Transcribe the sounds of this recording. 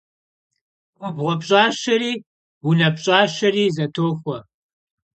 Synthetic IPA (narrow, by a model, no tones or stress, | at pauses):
ʊbʁʷɔpɕʼaːɕɐɾiː | wunɐpɕʼaːʃɐriːzɐtʰoːxʷɔ